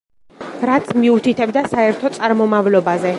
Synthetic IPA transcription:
ɾat̪sʰmiut̪ʰit̪ʰɛbd̪asaɛɾt̪ʰɔt̪sʼaɾmɔmavlɔbazɛ

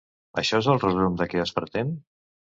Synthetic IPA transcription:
əʃɔezəlˠrəzumd̪əkɛəspəɾt̪en

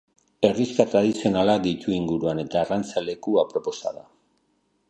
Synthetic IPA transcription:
e̞riskat̪ɾað̞isio̞nalad̪it̪uiŋɡuɾuane̞t̪aːrant͡sale̞kuapɾo̞po̞sa̰ða

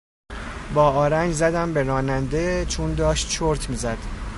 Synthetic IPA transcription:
bɒːɒːɾænd͡ʒzæd̪æmbe̞ɾɒːnænd̪et͡ʃʰund̪ɒːʃt̪t͡ʃʰoɾt̪ʰmiːzæd̪̥

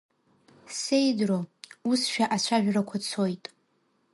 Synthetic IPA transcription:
se̞jdrousʃᶣaʔat͡ɕʷʰaʒᶣrakʷʰat͡sʰo̞jtʼ

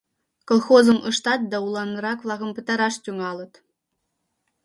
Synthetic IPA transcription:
kolˠxozɤ̆mʔɤ̆ʃt̪ɑt̪̚d̪ɑulˠɑnɤ̆ɾɑkʋlˠɑɣɤ̆mpɤ̆t̪ɑɾɑʃt̪ʲyŋɑlˠɤ̆t̪

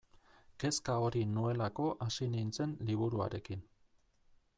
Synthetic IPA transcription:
ke̞skao̞ɾinue̞lako̞ʔasinint͡se̞nliβuɾua̰ɾe̞kin

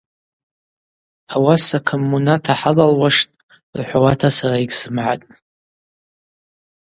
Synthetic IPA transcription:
awasakʰomːunatʰaħalalwaʂtʼ | rħʷawatʰasaraiɡʲsɨmʕa̰tʼ

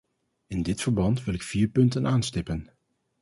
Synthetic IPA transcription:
ɪndɪtfəɹbɑntʋɪlɪkfiːɹpɵntənʔaːnstɪpən

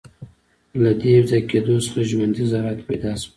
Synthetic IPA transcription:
lad̪ewzajked̪osəχaʒwand̪izaɾat̪ped̪ɑs

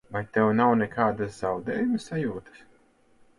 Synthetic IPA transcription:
vajt̪ɛwnawnɛkʰaːd̪aszawd̪ɛːjumsːajuːt̪ə̥s

